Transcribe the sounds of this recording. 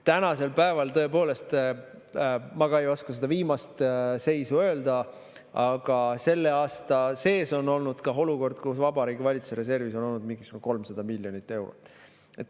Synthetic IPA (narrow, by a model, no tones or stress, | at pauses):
t̪ænɑse̞lpæevɑlt̪ɤ̞e̞po̞ːle̞st̪ | mɑɡ̥ɑejo̞skɑse̞d̪̥ɑviːmɑst̪se̞jsuø̞ːld̪ɑ | ɑɡ̥ɑse̞lːe̞ɑːst̪ɑse̞ːso̞no̞lnud̪̥kɑɦo̞luko̞rd̪̥kusvɑbɑɾiːɡ̥ivɑlʲit̪su̥seɾe̞s̬e̞rviso̞no̞lnud̪̥̚miŋɡisuko̞lmsɑd̪̥ɑmilʲjo̞nit̪ːˑe̞wɾo̰t̪ːˑ | et̪ːˑ